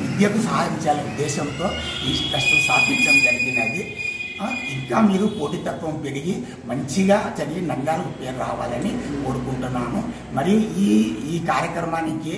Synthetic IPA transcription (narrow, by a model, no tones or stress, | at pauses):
ʋid̪jɐkusɐːɦad̪iɲt͡ʃaːliud̪ːɛːʃɐnt̪o̞ːinsʈɐsʈusaːd̪ʱiɲt͡ʃɐmd͡ʒɐɾiɡinɐd̪i | iŋkaːmiːɾupo̞ːʈit̪ɐt̪ʋɐmpeɽiɡi | mɐɲt͡ʃiɡaːt͡ʃɐɾiɡinɐŋɡaːlɐkupe̞ːɾuɾa̰ːʋa̰ːlɐnikoːɽukuɳʈunːaːnu | mɐɾiiːiːkaːɾjɐkɾɐmaːniki